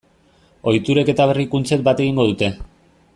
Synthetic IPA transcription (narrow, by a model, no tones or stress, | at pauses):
o̞jt̪uɾe̞ke̞t̪aβ̞e̞rikunt͡se̞k̪̚bat̪e̞ɣ̞iŋɡo̞ð̞ut̪e̞